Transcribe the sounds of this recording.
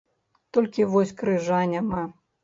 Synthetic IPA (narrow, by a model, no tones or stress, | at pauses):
t̪ɔlʲkʲivɔsʲkɾɨʐanʲama